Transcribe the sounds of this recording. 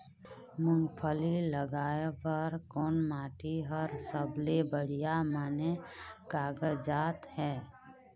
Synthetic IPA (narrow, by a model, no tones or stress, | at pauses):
mʊ̃ŋɡpʰəliləɡaːepəɾkoːnmaːʈʰiɦəɾsəblebəɽ̤ijamanekaːɡəd͡ʒaːt̪hɛː